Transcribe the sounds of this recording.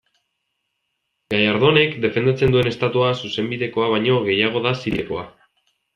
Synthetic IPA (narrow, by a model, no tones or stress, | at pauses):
ɡ̥ajaɾðo̞ne̞kd̪e̞fe̞nd̪at͡se̞nd̪ue̞ne̞st̪at̪uasuse̞mbiðe̞ko̞aβ̞aɲo̞ɣe̞jaɣ̞o̞ðasiɾeko̞a